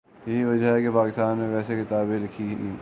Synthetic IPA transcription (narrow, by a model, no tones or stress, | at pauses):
jɐɦiʋɐd͡ʒəɦɛkepaːkɪst̪aːnmẽʋɛːsekɪt̪aːbẽlɪkʰiɦi